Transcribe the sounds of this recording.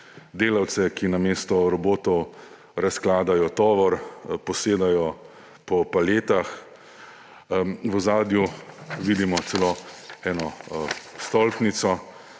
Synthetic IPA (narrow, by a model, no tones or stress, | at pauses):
d̪eːlawt̪sɛkinameːst̪ɔɾɔboːt̪ɔw | ɾasklaːd̪ajɔt̪ɔːʋɔɾpɔseːd̪ajɔ | pɔpaleːt̪ax | ʋəzaːd̪juʋiːd̪imɔt̪sɛloɛːnɔ | st̪ɔːlknit̪sɔ